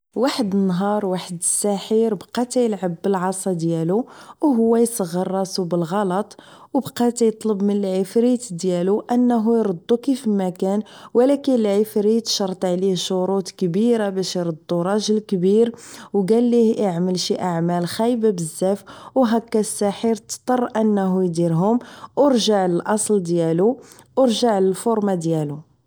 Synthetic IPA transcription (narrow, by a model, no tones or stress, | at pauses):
waħəd̪ənːɦɑɾˤwaħəd̪əsːæħiɾbqɑt̪æjəlʕəbːəlʕɑsˤɑd̪jæluwɦʊwːæjsəɣːərˤːɑsubəlɣɑlɑt̪ˤ | wbqɑt̪æjət̪ˤləbmənəlʕifɾit̪d̪jæluʔənːɦujɾˤəd̪ˤːukifmækænwəlækənəlʕifɾit̪ʃɑɾˤt̪ˤʕlihʃoɾut̪kəbiɾabæʃjɾˤəd̪ˤːuɾˤɑʒəlkbiɾwɡælːihʔəʕməlʃiʔaʕmælxæjbabəzːæfwɦækːæsːæħiɾt̪t̪ˤːɑrˤʔənːɦujd̪iɾɦʊmʔoɾʒaʕləlʔɑsˤld̪jælu | ʔəɾʒaʕləlfoɾmad̪jælu